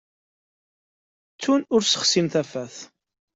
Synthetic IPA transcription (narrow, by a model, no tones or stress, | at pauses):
t͡sːunʊɾsə̥χsimθæfæθ